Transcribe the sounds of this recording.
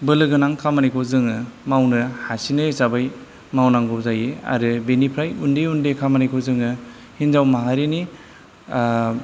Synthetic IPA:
bɯlɯɡɯnaŋkʰamanijkʰozɯŋɯmawnɯhasinɯsabaj | mawnaŋɡɔzajea̰ɾɯbenipʰɾajundeundekʰamanijkʰozɯŋɯ | hinzawmaɦaɾeni

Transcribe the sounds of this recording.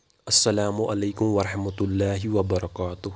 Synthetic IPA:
ʔɐsːɐlaːmʊʔalajkʊmwɑɾˤɑħmat̪ʊlːaːɦɪwɐbɑɾˤɑkaːt̪ʊh

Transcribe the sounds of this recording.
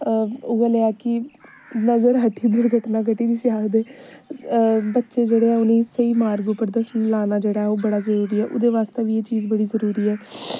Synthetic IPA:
ʊaleːaːkɪ | nəzəɾɦəʈʰiːd̪ʊɽɡʱəʈnãːk̬əʈiːd͡ʒ̪iːsɪaːd̪eː | bətːʃeːd͡ʒeːɽeːɛːʊnẽːsəiːmaːɾɡupəɾd̪əslaːnaːd͡ʒeːɽaːɛoːbəɽaːzəɾuːɾiːɛːʔʊ̰d̪eːʋaːst̪eːʋiːeːt͡ʃiːzbəɽiːzəɾuːɾiːɛː

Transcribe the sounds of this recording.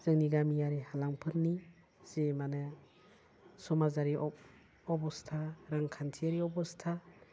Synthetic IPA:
z̥ɯŋniɡamijaɾihalaŋpʰɯɾni | z̥emanɯ | sɔmazaɾi | ɔbɔstʰaɾaŋkʰantʰiaɾiɔbɔstʰa

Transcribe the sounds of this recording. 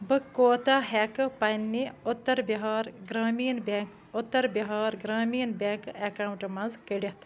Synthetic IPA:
bɨkoːt̪aɦekɨpɐjnːiʊt̪ːɐɾbɐɦaːɾɡɾaːmiːnbʲeːŋk | ʊt̪ːɐɾbɐɦaːɾɡɾaːmiːnbʲeːŋkekaːwuɳʈmɐnzkəɖʲɐt̪ʰ

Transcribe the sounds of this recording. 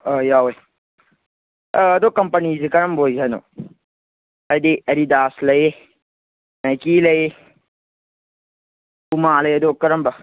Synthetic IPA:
əjawoj | d̪okɐmpənizikɐɾɐmbʱojzɐno̰ | ɐd̪iɐɾid̪aːslɐje | nɐjkilɐje | umaːlɐjɐd̪okɐɾɐmbɐ

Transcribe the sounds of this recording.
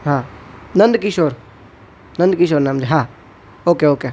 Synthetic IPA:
ɦãːnɐ̃nd̪kiʃoːɾ | nɐ̃nd̪kiʃ̬oːɾnaːmd͡ʒeɦãː | oːkeoːkeː

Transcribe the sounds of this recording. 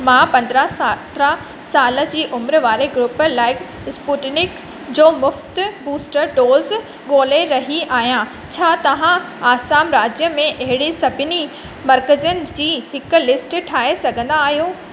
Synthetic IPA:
mãːpɐ̃nd̪ɾəsat̪ɾə | saːlə̆d͡ʑiːʔʊmɾəʋaːɾeɡɾuːpəlaːɪk | spuːʈnɪk | d͡ʑoːmʊft̪buːsʈəɾɖoːz | ɠoːleɾɐɦiʔaːɦijã | t͡ɕʰaːt̪ɐʋ̤ãaːsaːmɾaːd͡ʑjəmẽʔɐɦɪɽisɐbʱɪni | mɐɾkəd͡ʑənɪ̆d͡ʑiːɦɪkʊ̆lɪsʈʈʰaːɦesɐɡʱə̃nd̪aːɦijoː

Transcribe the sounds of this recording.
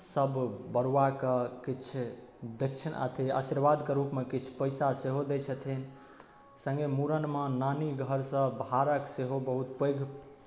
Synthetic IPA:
səbbəɾwakəkit͡ʃʰd̪ekt͡ʃʰənə̰t̪ʰiə̰siɾʋad̪keɾupmekit͡ʃʰu̥pəɪsaseɦod̪et͡ʃʰət̪ʰin | sə̃ŋɡemuɾənmenaniɡʱəɾsə̃bʱaɾəkseɦobəɦut̪pəjɡʱ

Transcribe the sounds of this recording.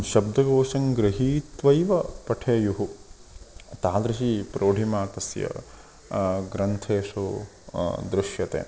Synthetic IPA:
ʃɐb̚d̪ʱɐɡoːʃɐŋɡɾɪɦiːt̪ʋɐjʋɐpɐʈʰeːjuɦu | t̪aːd̪ɾɐʃipɾʔoːɖʱimaːt̪ɐsjɐ̰ | ɡɾɐnt̪ʰeːʂu | d̪ɾɪʃjɐt̪ḛː

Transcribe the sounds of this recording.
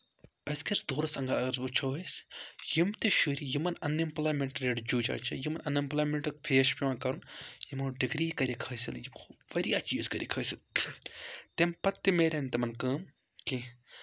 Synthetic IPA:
ɐskiɾsd̪oːɾɐsɐŋɡɐɾɐɡɐɾʋut͡ʃʰoːisjimt̪eʃuːɾijimɐnɐnːimpɐlaːmeɳʈɾeɖd͡ʒuːd͡ʒa̰ːt͡ʃʰɐjimɐnʔɐnːimpɐlaːmeɳʈɐkfʰeːʃpiʋãːnkɐɾunjimɐːɖiɡɾiːkɐɾʲikʰɐːsiljimʰuʋɐɾiɐt͡ʃjiːzkɐɾʔḭkʰɐːsil | t̪empɐt̪ːimeːɾʲent̪ɐmɐnkəːm | ki

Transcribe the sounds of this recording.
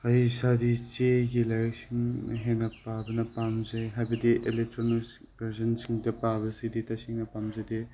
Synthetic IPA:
hajsadit͡ʃeɡilajk̚siŋɐ̰ɦenɐpabɐnɐpamzejɦajbɐdiʔelek̚tɾonis | beɾzɐnsiŋdɐpabɐsiditɐsiŋnɐpamzɐde

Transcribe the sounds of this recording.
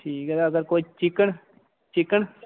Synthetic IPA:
ʈʰiːkɛt̪aɐɡəɾkoːt͡ʃɪkəɳ | t͡ʃɪkəɳ

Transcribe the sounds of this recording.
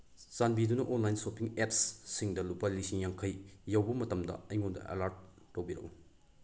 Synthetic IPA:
sanbidunɐʔonlajnsopiŋepsːiŋdɐlupalisiŋjaŋkʰɐjjɐwbɐmɐtɐmdɐ̰ɐjŋondɐ̰ʔḛlaɾd̚ː | owbiɾɐ̰ʔu

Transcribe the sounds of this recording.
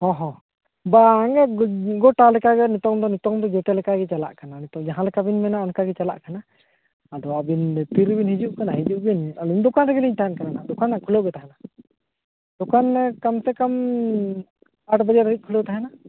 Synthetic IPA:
hɔ̃ɦɔ̃ | baŋɡɛɡɔʈalɛkaɡɛnɛt̪ɔŋd̪ɔnɛt̪ɔŋd̪ɔd͡ʒɔt̪ɛlɛkaɡɛt͡ʃala̰ʔkananɛt̪ɔŋd͡ʒaɦãlɛkabinmɛnaɔnkaɡɛt͡ʃala̰ʔkanaː | d̪ɔabint̪iɾbinhid͡ʒuʔkanaɦid͡ʒuʔɡɛnalund̪ɔkanɾɛɡɛliɲt̪aɦankaɾanad̪ɔkanakʰuloɡɛt̪aɦana | d̪̥ɔkankamt̪ɛkam | aʈbad͡ʒaɾɦic̚kʰulot̪aɦana

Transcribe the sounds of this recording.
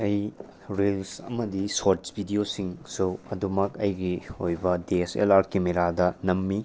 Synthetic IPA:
ɐj | ɾelsɐ̰mɐdisoɾtsbʱidiosiŋsuɐdumɐkɐjɡiojbɐdesḛlaɾkemeɾadɐnɐmːi

